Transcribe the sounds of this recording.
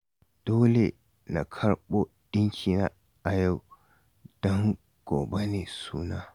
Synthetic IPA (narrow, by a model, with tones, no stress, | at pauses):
d̥oː˦le˨ | na˨kʰɐ˦ɾɓo˦ | ɗɪ˦ŋkʲʰi˨na˦ | ʔa˨ja˦˨w | d̥ɔ˦ŋ | ɡ̥oː˨be˦neː˨suː˦naː˦